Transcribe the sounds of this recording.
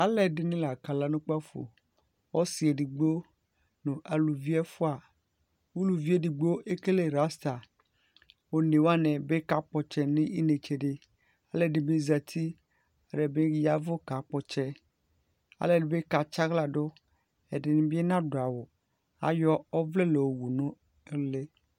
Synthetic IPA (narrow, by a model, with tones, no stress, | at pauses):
a˦lɛ˨dɪ˨nĩ˦la˨ka˨la˨nũ˦k͡pa˦fo̰˨ | wɔ˦si˨e˨ɖi˨ɡ͡bo˦ | nũ˨ʔa˨lu˨vi˦ɛ˦fo˦a˨ | wu˦lu˨vi˦e˦di˨ɡ͡bo˦ʔe˦ke˦le˨ɾa˦st̪a˨ | wo˦ne˨wa˦nɛ̃˨be˦ka˦k͡pɔ˨t͡ʃɛ˨nĩ˦ʔi˦ne˨t͡ʃe˨ɖe˦ | a˦le˨ɖe˨be˦za˨t̪ʰi˦ | a˨ɖe˨be˦ja˨vo˦ka˨k͡pɔ˦t͡ʃɛ˦ | a̰˨le˨be˦ka˨t͡ʃa˦ɣla˨ɖo˦ | e˨ɖe˨nĩ˦bi˦e˦nã˦ɖo˨a˨wo˨ | a̰˦jɔ˦ɔ˦vle˦le˨wo˨wu˨nũ˦ | le˦